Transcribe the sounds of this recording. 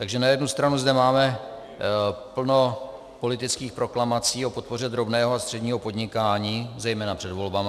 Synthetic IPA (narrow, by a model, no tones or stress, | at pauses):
t̪aɡʒɛnajɛdnust̪ɾanuzdɛmaːmɛ | pl̩no̞ | po̞lɪt̪ɪt͡skiːxpɾo̞klamat͡siːo̞po̞t̪̚po̞rɛd̪ɾo̞bnɛːɦoast̪r̝̥ɛdɲiːɦo̞po̞dɲɪkaːɲiːzɛjmɛːnapr̝̥ɛdvo̞lbama